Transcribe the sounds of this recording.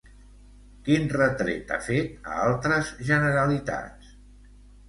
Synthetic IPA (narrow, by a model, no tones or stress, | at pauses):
kinrət̪ɾḛt̪a̰fet̪ə̰alˠt̪ɾəzʒənəɾəlit̪a̰t͡s